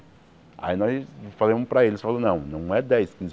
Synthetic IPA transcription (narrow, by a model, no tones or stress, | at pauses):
a̰inɔjsfazẽmmʊpɾɐelɪsfalɐ̃nɐ̃w̃nɐ̃w̃ɛd̪ɛjskĩz